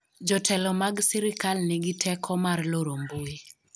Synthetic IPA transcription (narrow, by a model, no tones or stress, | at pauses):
d͡ʒɔtʰɛlɔmaɡsɛɾɪkalnɪɡɪtʰɛkʰɔmarloɾombue